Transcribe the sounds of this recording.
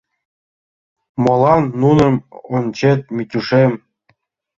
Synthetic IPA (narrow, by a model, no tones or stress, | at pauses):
mɤlˠɑnːunɤ̆mont͡ɕet̪̚mʲit̪ʲuʂem